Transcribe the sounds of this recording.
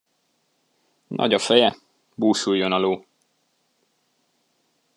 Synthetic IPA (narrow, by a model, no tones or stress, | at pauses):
nʔɒ̰ɟɒfɛjɛ | buːʃujːonɒloː